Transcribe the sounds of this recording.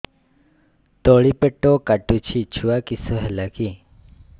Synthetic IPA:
t̪oɭipeʈːokaʈːut͡ʃʰit͡ʃʰuakisoɦɛlaki

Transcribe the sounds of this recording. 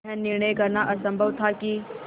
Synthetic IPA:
ɛnːɪɾɳəjkɐɾnaʔɐsə̃mbʱəʋt̪ʰaki

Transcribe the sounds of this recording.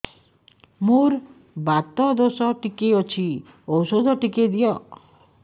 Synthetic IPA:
muɾ | bat̪ɔd̪osɔʈikeɔt͡ʃʰi | ɔwsod̪ʱɔʈiked̪ijɔ

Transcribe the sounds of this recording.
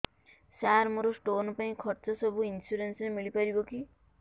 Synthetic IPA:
saɾmʌɾosʈonupaĩkʰʌʈt͡sʌsʌbuinsuɾensnemiɭipʌɾikoki

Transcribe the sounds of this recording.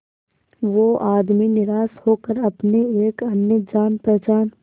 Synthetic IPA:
ʋoʔaːd̪minɪɾaːshoːkəɾɐpneeːkɐnjəd͡ʒaːnpɾɛɦt͡ʃaːn

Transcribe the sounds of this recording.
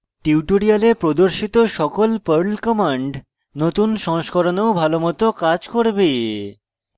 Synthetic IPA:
ʈiwʈoɾialepɾod̪oɾʃit̪oʃɔkolpəɾlkɔmaɳɖ | not̪unʃɔŋʃkoɾoneobʱalomɔt̪okad͡ʑkoɾbe

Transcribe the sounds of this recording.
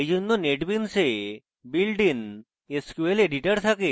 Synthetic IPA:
d͡ʒunːoneʈbinse | bilɖin | eskueleɖiʈəɽt̪ʰake

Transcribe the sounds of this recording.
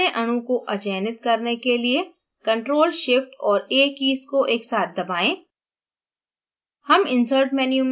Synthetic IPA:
eʔɐɽ̃ũkoʔɐt͡ʃɛːnɪt̪̚kɐɾnekelie | kɐ̃ɳʈɾoːlʃɪfʈɔːɾeːkiːskoʔeːksaːt̪̚ʰd̪ɐbaːẽː | hɐmɪ̃nsəɾʈmɛːnijũmː

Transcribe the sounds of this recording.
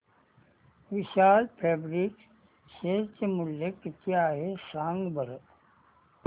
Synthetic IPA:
ʋiʃaːlpʰeːbɾik | set͡ʃemulːekkjaːɦesãːŋɡbəɾ

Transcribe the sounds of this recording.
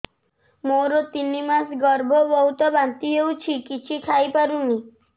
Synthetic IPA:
moɾɔt̪inimasɡɔɾbʱɔbɔɦut̪ɔbant̪iɦewt͡ʃʰikit͡ʃʰikʰajpaɾuni

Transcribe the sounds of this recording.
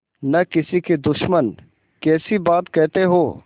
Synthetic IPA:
nɐkɪsiked̪ʊʃmən | kɛːsibaːt̪kɛɦt̪eɦoː

